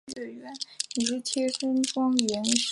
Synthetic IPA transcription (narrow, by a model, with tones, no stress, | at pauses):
ə˥˩ɥɛ˧˥nni˨˩ʂɻ̩˥˩t͡ɕ̪ʰjɛ˥ʂə˥ŋʈ͡ʂɑ˥ŋlɛ˧˥nʂ